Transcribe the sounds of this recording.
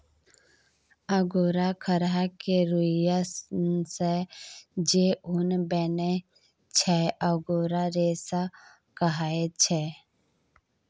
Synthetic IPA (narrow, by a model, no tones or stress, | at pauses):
aɡoːɾakʰəɾɦakeɾuja | se | d͡ʒeʊnbɛne | t͡ʃʰɛaɡoːɾaɾeːsa | kəɦaet͡ʃʰɛ